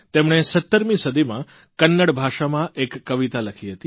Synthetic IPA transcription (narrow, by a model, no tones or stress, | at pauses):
t̪emɳ̃esət̪ːəɾmĩsəd̪ʱimã | kənːəɽbʱaʃamãʔekːəʋit̪aləkʰiɦət̪i